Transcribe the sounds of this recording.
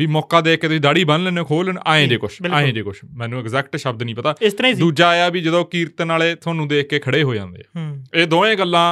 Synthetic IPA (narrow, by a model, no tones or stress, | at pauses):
ʋiːmɔːkaːd̪eːkːeːt̪ʊsĩːd̪aːɽiːbənlɛ̃ːnẽːkʰoːlənaːẽːd͡ʒeːkʊʃbɪlaːẽːd͡ʒeːkʊʃmɛ̃ːnũːɪɡzɛːkʈʃəb̚d̪nĩːpət̪aːɪst̪əɾãːĩːdd̪uːd͡ʒaːjaːbiːd͡ʒəd̪õːkiːɾt̪ːnaːleːt̪ʰʊãːnũːd̪eːkʰkeːkʰəɽeːɦoːd͡ʒã̰ːnd̪ḛːeːd̪oːẽːɡəlːãː